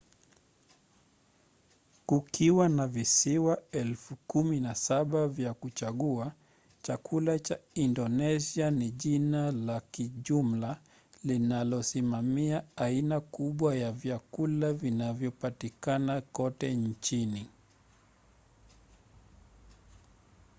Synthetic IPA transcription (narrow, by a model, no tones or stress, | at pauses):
kukiwanavisiwaɛlfukuminasaɓavjakut͡ʃaɠua | t͡ʃakʰulat͡ʃaindɔnɛsianiʄinalakiʄum̩la | linalɔsimamiaainakuɓwajavjakulavinavjɔpatikanakɔtɛnt͡ʃini